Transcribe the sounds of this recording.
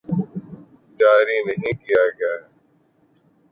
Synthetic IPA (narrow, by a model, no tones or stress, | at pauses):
d͡ʒaːɾiːnəɦĩːkijaːɡɐjaː